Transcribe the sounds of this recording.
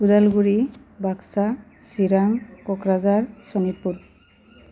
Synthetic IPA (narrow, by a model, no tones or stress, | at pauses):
udalɡuɹi | baksasiɹamkɔkɹazaɹsɔnit̚pːuɹ